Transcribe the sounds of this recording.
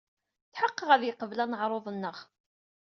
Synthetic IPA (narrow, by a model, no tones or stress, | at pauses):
θħəqːəʁæðjəqːəvlænəʕɾˤoðˤənːəʁ